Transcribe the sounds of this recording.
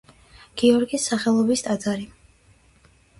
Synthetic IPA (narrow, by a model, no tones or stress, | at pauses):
ɡ̥iɔɾɡisːaχɛlˠɔbist̪ʼad̪zaɾi